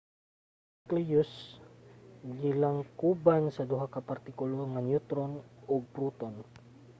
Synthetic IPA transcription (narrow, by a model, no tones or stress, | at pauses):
kljus | ɡilaŋkubansad̪uɦakapart̪ikulɔŋanjut̪ɾɔnɔɡ̚pɾut̪ɔn